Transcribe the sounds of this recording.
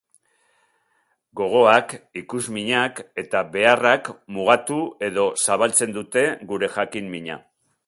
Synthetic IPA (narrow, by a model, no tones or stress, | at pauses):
ɡo̞ɣ̞o̞akikuzmiɲake̞t̪aβe̞arakmuɣ̞at̪ue̞ðo̞saβalt͡se̞nd̪ut̪e̞ɣuɾe̞ʝakimmiɲa̰